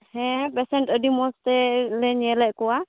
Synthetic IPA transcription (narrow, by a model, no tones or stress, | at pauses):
hɛ̃pɛsɛɳʈədimɔst̪ɛlɛɲɛlɛʔkɔa